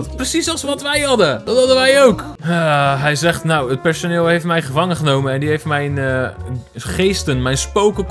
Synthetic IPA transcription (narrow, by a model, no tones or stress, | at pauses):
prəsisɑlˠsʋɔtʋɛjɦɑdədɔthɑdəʋɛjowkaɦɛjzɛχtnawət̚pɛɹsonɪːlˠɦejftmɛjχəvɑŋəχənowmənɛndiɦejftmɛjn | χejstənmɛjnspowkək